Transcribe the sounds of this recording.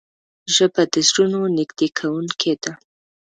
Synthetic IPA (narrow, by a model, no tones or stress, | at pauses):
ʒəbad̪əzɾunonɪɡd̪ekʰawuŋkʰed̪a